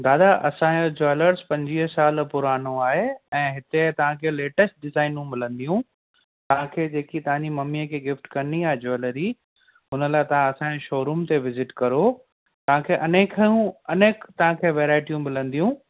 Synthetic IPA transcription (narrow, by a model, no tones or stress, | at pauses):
d̪aːd̪aʔɐsãod͡ʑɔɪləɾzpɐ̃ɲd͡ʑiːɦsaːlpʊɾaːnoaːɦeɛ̃ːɦɪt̪et̪ɐʋ̤ãkʰeːleːʈəsʈ̚ɖɪzaːɪnũmɪlə̃nd̪ijũ | t̪ɐʋ̤ãkʰeːd͡ʑeːkit̪ɐʋ̤ãɲd͡ʑimɐmiəkʰeːɡɪfʈkɐniaːɦed͡ʑɔːɪləɾi | ɦʊnə̆laːɪt̪ɐʋ̤ãɐsãːeʃoːɾumt̪eʋɪzɪʈkɐɾo | t̪ɐʋ̤ãkʰeːʔɐneːkʰjũɐneːkt̪ɐɦãkʰeːʋɛːɾaːɪʈijũmɪlə̃nd̪ijũ